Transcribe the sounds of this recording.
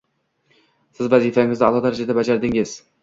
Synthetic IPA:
sɪzvæzifaŋɪzd̪ɑlˠɑd̪aɾad͡ʒad̪abad͡ʒaɾd̪ɪŋɪz̥

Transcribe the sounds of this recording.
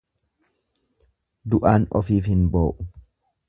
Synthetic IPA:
d̪ʊʔaːnɔ̰fiːfhɪnboːʔʊ

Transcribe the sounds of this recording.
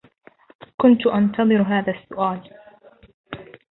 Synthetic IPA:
kʊnt̪ʊʔɑnt̪ɑðˤɨɾɦaːðasːʊʔaːl

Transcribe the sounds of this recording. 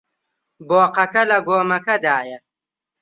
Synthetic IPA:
boːqɐkɐlɐɡoːmɐkɐd̪aːjɐ

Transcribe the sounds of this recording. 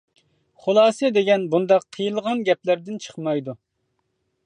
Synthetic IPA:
χulˠɑːsɛd̪eɡʲɛnbund̪ɑqʰːəjɨlˠʁɑnɡʲɛplæɾd̪ɪnt͡ʃʰə̥χmɑjd̪u

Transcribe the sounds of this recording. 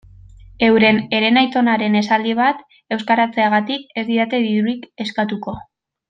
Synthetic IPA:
e̞wɾe̞ne̞ɾe̞najt̪o̞naɾe̞ne̞sald̪iβ̞at̪ | e̞wskaɾat͡se̞aɣat̪ike̞zd̪iɾat̪e̞ðiɾuɾike̞skat̪uko̞

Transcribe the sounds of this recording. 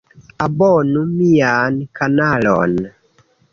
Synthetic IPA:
abɔnumijankanalɔ̰n

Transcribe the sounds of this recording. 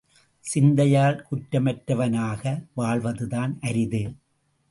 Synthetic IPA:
sɪnd̪ɐjaːlkʊʈɾɐmɐʈɾɐʋɐnaːɣɐʋaːɭʋɐðɯðaːnʔɐɾɪðɯ

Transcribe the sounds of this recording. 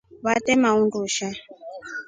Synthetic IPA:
βatɛmaunduʃa

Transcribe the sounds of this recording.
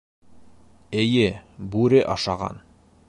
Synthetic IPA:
ɘ̆jɘbʉɾɘʔɑʃɑʁɑ̰n

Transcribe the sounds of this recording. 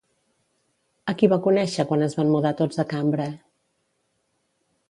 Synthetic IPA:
əkiβakunɛʃəkwanəzβammuðat̪od͡zðəkambɾə

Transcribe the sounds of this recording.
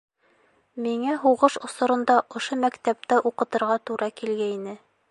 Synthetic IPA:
miŋæɦuʁɤʃŏsŏɾɤ̆nd̪ɑʔŏʃomækt̪æp̚t̪æʔuqɤ̆t̪ɤ̆ɾʁɑt̪uɾɑkilɡæinɘ

